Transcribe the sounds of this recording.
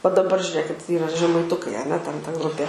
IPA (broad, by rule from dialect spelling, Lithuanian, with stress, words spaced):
ʋɐ dɐˈbɐr ʒʲʊˈrʲeːkʲɪt ˈiːrɐ ʒʲɛmɐɪˈtʊkɐɪ ɐˈnʲɛ tʲɛn tɐ ˈɡrʊpʲiɛ